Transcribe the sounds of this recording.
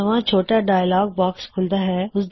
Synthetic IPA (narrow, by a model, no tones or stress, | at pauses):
ɐʋãt͡ʃʰoːʈaɖaːjlaːɡ̚bɔːkskʰʊld̪aɦɛːʊsd̪